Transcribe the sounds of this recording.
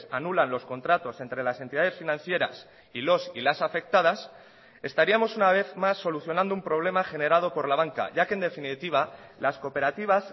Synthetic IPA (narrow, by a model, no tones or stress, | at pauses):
sanulanlo̞sko̞nt̪ɾat̪o̞se̞nt̪ɾe̞lasent̪iðað̞e̞sfinãn̟θjeɾa̰s | ilo̞silasafe̞k̚t̪að̞as | e̞st̪aɾiamo̞sunaβ̞e̞θmasːo̞luθjo̞nãnd̪oumpɾo̞β̞le̞maxe̞ne̞ɾað̞o̞po̞ɾlaβ̞aŋka̰ʝakend̪e̞finit̪iβ̞alasko̞pe̞ɾat̪iβ̞as